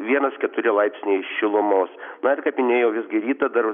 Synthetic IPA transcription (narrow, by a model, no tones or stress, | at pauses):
ʋʲiɛnɐskʲɛt̪ʊɾʲɪlˠɐɪpʲsʲnʲeːʃʃʲɪlˠʊmoːsnɐɪrkɐpʲɪnʲeːjoːʋʲɪzɡʲɪɾʲiːt̪ɐd̪ɐr